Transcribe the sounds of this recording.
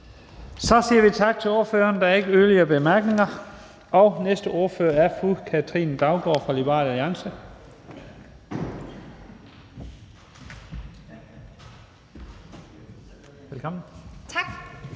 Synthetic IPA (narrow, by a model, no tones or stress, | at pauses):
sɒ̽siːɐʋit͡sʰɑ̈ɡ̥̚t͡sʰe̝lo̝ːɐfø̰ːɐnd̥ɑæɐe̝ɡ̥əøːliɐb̥e̝mæɐɡ̥ne̝ŋɐ | ɒ̽ʊnesd̥əʔo̝ɐføːɐæɐfukʰæt͡sʰʁḭːnd̥ɑ̈ʊɡ̥ɒ̰ːfʁɑ̈libʁɑ̈ːlæliɑ̈ŋsə | elkʰɒmn̩t͡sʰɑɡ̥